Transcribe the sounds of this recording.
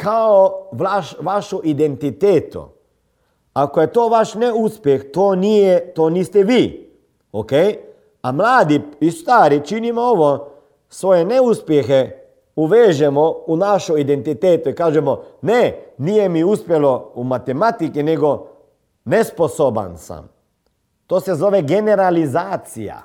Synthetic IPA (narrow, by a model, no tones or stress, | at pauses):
kaoʋlaʃʋaʃɔʔid̪ent̪it̪eːt̪ṵ | akɔjɛt̪oːʋaʃnɛuspjext̪oːnijɛt̪oːniːst̪ɛʋiː | okej | amlaːd̪iist̪aːɾit͡ʃinimooʋo | sʋoːjɛnɛuspjɛxɛ | uʋeːʒemounaʃoid̪ent̪it̪eːt̪oikaːʒemoneniːjemiuspjeloumat̪emat̪ikineɡo | nesposoba̰nsa̰m | t̪oːsezoʋeɡeneɾalizaːt̪sḭja̰